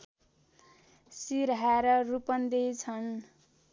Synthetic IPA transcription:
siɾɦaɾʌrupʌnd̪ejt͡sʰʌn

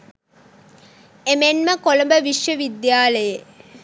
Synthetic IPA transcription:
emenməkoləmbəʋiʃjəʋid̪jaːləje

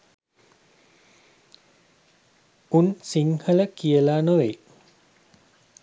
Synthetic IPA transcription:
unsiŋhələkiəlaːnoʋe

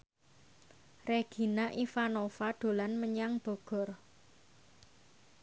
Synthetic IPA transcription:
reɡ̥i̤naʔifanofaɖ̪̥o̤lanməɲaŋb̥ɔ̤ɡ̥ɔ̤r

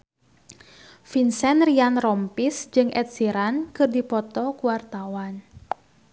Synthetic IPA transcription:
finsɛnrianrɔmpisd͡ʒɨŋʔɛt̪̚siɾankɨrdipɔt̪ɔkuwart̪awan

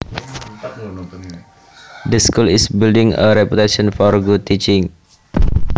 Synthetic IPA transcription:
d̪əskulisbildɪŋə̰ɾɛput̪aʃɔ̃nfɔrɡud̚t̪it͡ʃɪŋ

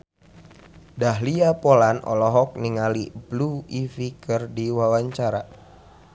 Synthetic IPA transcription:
daɦliapolanɔ̰lɔɦɔk̚niŋalibluifikɨrdiwawaɲt͡ʃaɾa

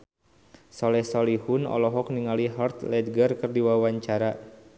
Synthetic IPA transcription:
sɔlɛhsɔlihunɔ̰lɔɦɔk̚niŋaliɦart̪lɛd̪̚ɡərkɨrdiwawaɲt͡ʃaɾa

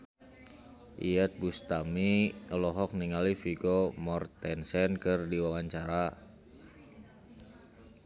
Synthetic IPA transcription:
ʔḭət̪̚bust̪amiəlɔɦɔk̚niŋalifiɡɔmɔrt̪ɛnsɛnkɨrdiwawaɲt͡ʃaɾa

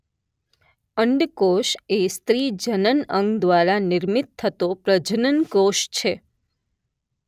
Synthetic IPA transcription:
əɳɖkoʃest̪ɾid͡ʒənənə̃ŋɡd̪ʋaɾanɪɾmit̪̚t̪ʰːət̪opɾəd͡ʒənənkoʃt͡ʃʰe

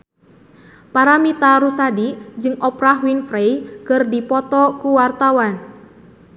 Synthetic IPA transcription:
paɾamit̪aɾusadid͡ʒɨŋɔpɾaɦwinfɾejkɨrdipɔt̪ɔkuwart̪awan

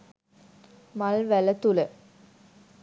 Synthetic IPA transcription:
mɐlʋælɐt̪ulə

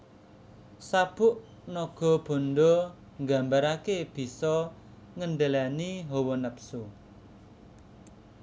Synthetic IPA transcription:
sab̥ʊʔ | nɔɡ̥ɔ̤b̥ɔ̤nɖɔ | ŋɡa̤mbaɾakeb̥i̤sɔ | ŋənɖəlaniɦɔwɔnəpsu

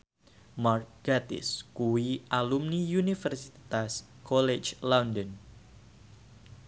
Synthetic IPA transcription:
mark̚ɡ̥at̪ɪ̰skuwiʔalumnijunifərsi̥t̪askolet͡ʃlandən

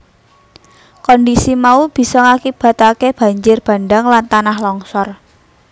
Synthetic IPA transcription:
kɔndisimaub̥i̤sɔŋakib̥a̤t̪akeb̥a̤ɲd͡ʒɪrb̥a̤nɖaŋlant̪anahlɔŋsɔr

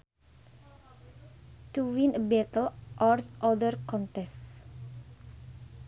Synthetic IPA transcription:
tuwĩnəbɛt̪əlʔɔɹʔɔdərkɔ̃ntɛs

